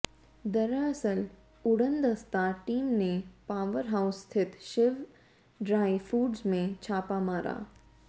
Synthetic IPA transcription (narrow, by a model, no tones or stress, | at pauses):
d̪ɐɾəɐsəl | ʊɽənd̪ɐst̪aʈiːmnepaːʋəɾɦaʊst̪ʰɪt̪ʃɪʋ | ɖɾaːifuːɖzmẽt͡ʃʰaːpamaːɾa̰ː